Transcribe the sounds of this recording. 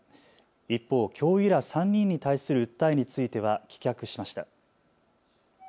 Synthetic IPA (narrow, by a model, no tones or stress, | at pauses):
ipːo̞ːkʲʰo̞ːiɾasãɲ̟ːĩɲ̟ːit̪aisɨɾɯ̟ɯ̟t̪ːaiɲ̟it͡sɨit̪e̞β̞akʲi̥kʲakɯ̟ɕimaɕi̥t̪a